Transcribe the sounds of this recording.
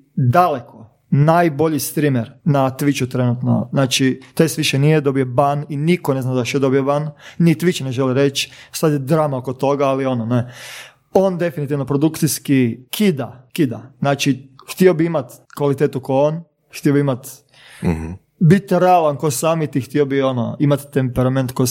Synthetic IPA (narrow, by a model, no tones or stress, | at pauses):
d̪alekʰo | najboʎist̪ɾimeɾnat̪ʋit͡ʃut̪ɾenut̪no̰znaːt͡ʃit̪est̪ʋiʃenijed̪o̞bijebaninikoneznad̪aʃed̪obijobannit̪ʋit͡ʃineʒeliɾet͡ʃsat̪jed̪ɾaːmaokot̪o̞ɡaalio̞none | ond̪e̞finit̪iʋnopɾod̪ukt̪siskikʰid̪akid̪aznaːt͡ʃixt̪iobiimat̪kʋalit̪eːt̪ukoon | xt̪iobiimat̪ | bit̪ːɾealˠankosaːmit̪ixt̪iobiono̰imat̪ːempeɾame̞nt̪ko